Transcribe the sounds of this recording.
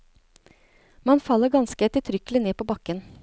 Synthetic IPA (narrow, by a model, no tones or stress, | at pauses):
mɑnfɑlːəɾɡɑnskət̪ʰɪlt̪ʰɾʏkəlɪneːpʰoːbɑkən